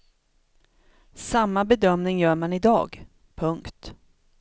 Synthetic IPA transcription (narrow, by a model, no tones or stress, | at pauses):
samːabɛd̪œmnɪŋjœːɾmanɪd̪ɑ̰ːɡ | pʰɵŋkt̪